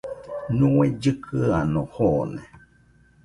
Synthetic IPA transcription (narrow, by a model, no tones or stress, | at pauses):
ɲũed͡ʑɨkʰɨanõhonẽ